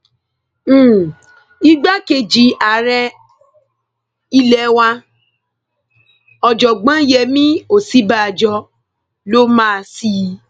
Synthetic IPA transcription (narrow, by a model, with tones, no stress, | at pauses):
i˦ɡ͡ba˦ke˧˨d͡ʒi˨˦a˨ɾɛ˧ | i˦lɛ˨˦wa˧ | ɔ˨d͡ʒɔ˨ɡ͡bã˨˦jɛ˧˨mĩ˦o˨si˦ba˦˨d͡ʒɔ˧ | lo˦mãː˦˨˧si˦ji˧